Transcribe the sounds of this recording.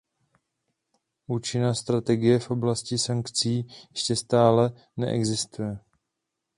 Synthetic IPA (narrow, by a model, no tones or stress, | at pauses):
ʔuːt͡ʃɪnast̪ɾat̪ɛɡɪjɛfʔo̞blascɪsaŋkt͡siːjɛʃcɛst̪aːlɛ | nɛ̰ʔɛ̰ɡzɪst̪ujɛ